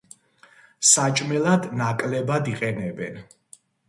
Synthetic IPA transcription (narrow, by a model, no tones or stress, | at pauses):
sat͡ʃʼmɛlˠad̪nakʼlɛbad̪iqʼɛnɛbɛn